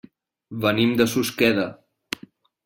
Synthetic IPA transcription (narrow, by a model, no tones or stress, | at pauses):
βənimd̪əsuskɛðə